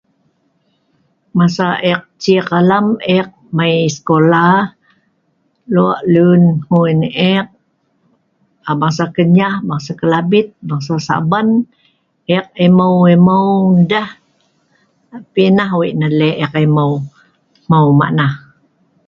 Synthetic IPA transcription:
masaʔek̚t͡ʃikalamɛk̚majsə̥kola | lua̰ʔlunhunɛk̚ | abaŋsakəɲahbaŋsakəlabit̪̚baŋsasa̰ban | ʔɛk̚eməweməwdah | pinahwiʔnaleʔɛkeməw | mawma̰ʔnah

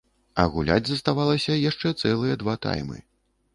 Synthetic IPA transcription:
ɐ̰ɣulʲa̰d͡zʲzɐst̪avalˠɐsʲɐjaʂt͡ʂɛt̪sɛlˠɨjɐd̪vat̪a̰jmɨ̰

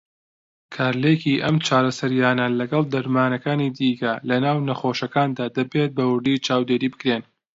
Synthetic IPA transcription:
kʰaːɾlekiʔɐmt͡ʃaːɾɐsɐɾjaːnɐlɐɡɐlˠd̪ɐɾmaːnɐkaːnid̪iːkɐlɐnaːwnɐxoːʃɐkaːnd̪aːd̪ɐbet̪̚bɐwʊɾd̪it͡ʃʰaːwd̪eːɾiːbɨkɾeːn

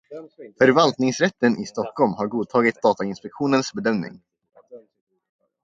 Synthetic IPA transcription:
fœɾvalt̪nɪŋsɾɛt̪ːənɪst̪ɔkːɔlmhaɾɡuːd̪̚t̪ʰɑːɡɪt̪̚d̪ɑːt̪aɪnspɛkɧuːnənsbɛd̪œmnɪ̰ŋ

